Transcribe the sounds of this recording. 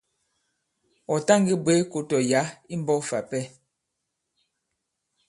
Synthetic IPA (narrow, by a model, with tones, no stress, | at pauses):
ɔ˨ta˦˨ŋɡi˦bwe˨˦ko˨tɔ˨ja˨˦i˦m˦bɔ˦fa˨pɛ˦